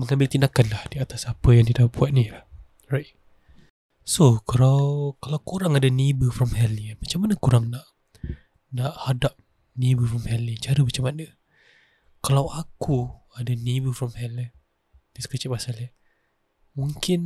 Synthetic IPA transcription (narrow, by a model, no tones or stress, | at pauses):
məŋambɪlt̪indakanlahdiat̪asapəjaŋt̪idahbuat̪̚nilah | ɹajt̪̚ | sokalawkalawkuɾaŋadənibəfɾɔmhɛlinmat͡ʃamanəkuɾaŋnaʔ | naʔhadap̚ | nibəfɾɔmhɛlint͡ʃaɾəmat͡ʃamanə | kalawaku | adənibəfɾɔmhɛlən | disə̥kət͡ʃɪt̚masala | muŋkɪn